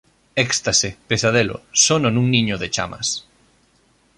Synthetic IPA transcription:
ɛkst̪asepesaðelo̰sononũŋniɲoðet͡ʃa̰mɐ̰s

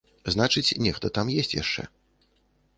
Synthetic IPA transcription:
znat͡ʂɨt͡sʲnʲɛxt̪ɐt̪amjesʲt͡sʲja̰ʂt͡ʂɛ̰

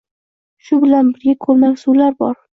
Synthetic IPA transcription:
ʃʊbɪlanbɪɾɡʲakʰɵlmaɡʲsulaɾbɒɾ

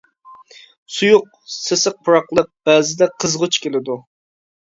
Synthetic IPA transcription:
sujʊq̚ | sesəq̚pʰuɾɑqlˠəq̚b̥ɛːzɪd̪ɛqʰəzʁʊt͡ʃkʲelɪd̪u

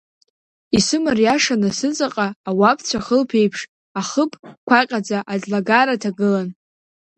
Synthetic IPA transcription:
isɨmarjaʂanasɨt͡sʼaqʼaːwapʰt͡sʷʰaχəlpʰe̞jpʰʂ | aχəpʰʼkʷʰaqʲʼad͡zaʔazlaɡaɾatʰaɡɨlan

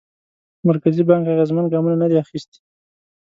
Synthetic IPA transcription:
maɾkazibɑŋkaɣezmanɡɑmunanad̪eaxist̪

